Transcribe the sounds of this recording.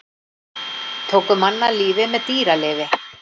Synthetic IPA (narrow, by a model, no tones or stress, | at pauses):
t̪ʰoːwkʏmanːaliːvɪmɛðt̪iːɾaleːvɪ